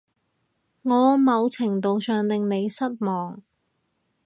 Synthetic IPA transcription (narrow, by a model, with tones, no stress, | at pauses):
ŋɔː˨˧˥mɐ˨˧wt͡sʰɪ˨˩ŋt̪o˨wsœː˨ŋt̪ɪ˨ŋne˨˧jsɐ˥t̚mɔː˨˩ŋ